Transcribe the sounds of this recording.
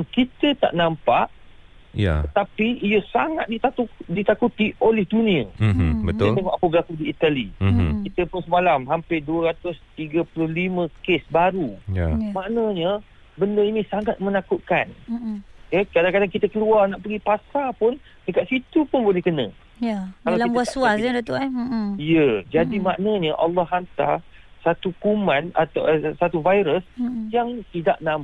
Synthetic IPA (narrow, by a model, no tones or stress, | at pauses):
ankit̪ət̪a̰ʔnampaʔja̰ət̪apiijəsaŋat̪̚dit̪audit̪akut̪iʔolɛhdunĩəətd̪at̪əŋɔʔapəbəlakudiːt̪alikit̪əpʊnsəmalamɦampɪduəɾat̪ʊst̪iɡəpulʊhlimə̃kesbaɾujamaʔnəɲə | bəndəinĩsaŋat̪̚mə̃nakuʔ̪̚kan | jəkadaŋkadaŋkit̪əkəluarnaʔpəɡipasapʊn | dəkaʔ̪̚sit̪upʊnbolɛhkənə̰̃ | jakalawlaib̪asuasadat̪uaijəd͡ʒadimaʔnəɲəʔalːɑhɦant̪a̰rsat̪ukumãna̰t̪a̰ʔsat̪uvajɾəsjaŋt̪idaʔnam